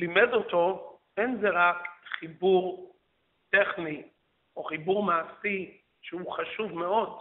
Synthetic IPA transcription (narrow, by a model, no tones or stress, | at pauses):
limedoto | enzeʁakχibuʁ | t̪eχni | oχibuʁmaːsi | ʃeuχaʃuvmeo̞d